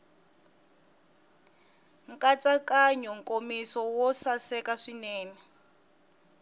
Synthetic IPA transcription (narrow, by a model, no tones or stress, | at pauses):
ŋkat͡sakaɲɔŋkomisɔwɔsasɛkaʂinɛːnɛ